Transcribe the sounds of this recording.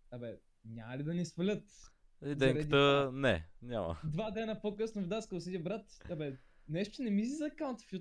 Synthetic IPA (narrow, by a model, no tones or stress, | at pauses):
abɛ | nʲamɐlid̪ɐnisfɐlʲət̪ | izd̪ɛŋkɾɛəd̪t̪ənɛ̰ɲʲamə̰d̪vad̪ɛnɐpokɤsnovd̪askəlˠsit̪ʲiəbɾat̪ɐbɛ | nɛʃt̪nɛmisizɐkawnt̪fju